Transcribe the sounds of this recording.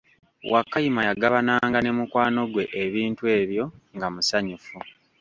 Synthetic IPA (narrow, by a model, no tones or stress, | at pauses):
wʔakːajimajaɡaβanaːŋɡane̞mukwaːno̞ɡwe̞ʔeβiːntwe̞ːβjo̞ŋɡamusaɲufu